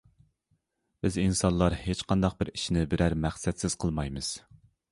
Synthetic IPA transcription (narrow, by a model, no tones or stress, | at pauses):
b̥ɪzinsɑnlˠːɑɾhet͡ʃqʰɑnd̪ɑq̚bɪɾi̥ʃinɪbɪɾæɾmæχsɛt̪sɪz̥qʰəlˠmɑjmɨz̥